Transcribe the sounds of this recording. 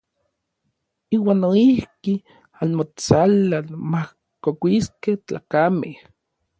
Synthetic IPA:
iːwaːnːoihki | anmot͡salalmah | kokʷiskeht͡ɬa̰ːkameh

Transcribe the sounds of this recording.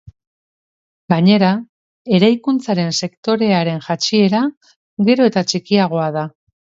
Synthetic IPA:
ɡaɲe̞ɾa | e̞ɾajkunt͡saɾe̞nse̞kt̪o̞ɾe̞aɾe̞nʝat͡ʃie̞ɾa | ɣe̞ɾo̞e̞t̪at͡ʃikiaɣ̞o̞aða

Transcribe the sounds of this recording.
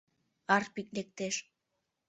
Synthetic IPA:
ɑrpiklek̚t̪eʃ

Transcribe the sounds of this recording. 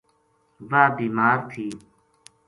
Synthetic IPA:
ʋaːbiːmaːɾt̪ʰiː

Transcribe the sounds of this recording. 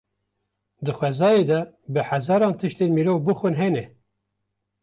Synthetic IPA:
d̪ɨxwɛzɑːjeːd̪ɛ | bɨħæzɑːɾɑːnt̪ʰɨʃt̪eːnmiːɾoːvbɨxʷɨnɦɛnɛ

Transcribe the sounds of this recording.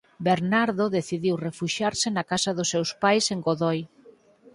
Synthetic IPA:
beɾnaɾðoðeθiðiwrefuʃaɾsɪnakasɐðʊsːewspajseŋɡoðoj

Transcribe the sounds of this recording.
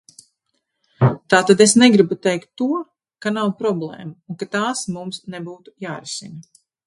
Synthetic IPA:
t̪aːt̪ad̪esnɛɡɾibut̪ɛjkt̪ːuɔ | kanawpɾɔblˠɛ̰ːmaunkat̪aːsmumsnɛbuːt̪u̥jaːɾɛsḭnɐ

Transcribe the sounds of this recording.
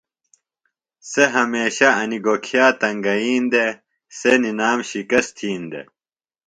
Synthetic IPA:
seɦɐmeːɕɐɐniɡokʰijaːt̪ɐŋɡɐiːnd̪e | seninaːmɕikɐst̪ʰiːnd̪ḛ

